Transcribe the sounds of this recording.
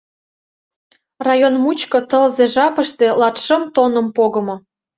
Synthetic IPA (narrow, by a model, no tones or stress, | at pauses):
rɑjonmut͡ɕkɤ̆t̪ə̆lzeʒɑpə̆ʃt̪e̽lɑt̪ʃə̆mt̪onə̆mpoɣɤ̆mŏ